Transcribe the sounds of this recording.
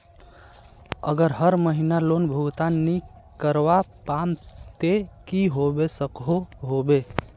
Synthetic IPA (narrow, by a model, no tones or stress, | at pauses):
ə̰ɡəɾɦəɾməɦinalonbʱuɡt̪anikəɾʋapamt̪ekiɦobesəkɦoɦobe